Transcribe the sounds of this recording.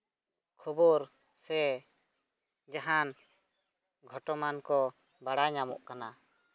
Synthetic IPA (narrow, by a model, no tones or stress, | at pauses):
kʰubɔɾ | sɛ | d͡ʒaɦan | ɡʱɔʈɔmankɔ | baɽaɲamɔ̰ʔkana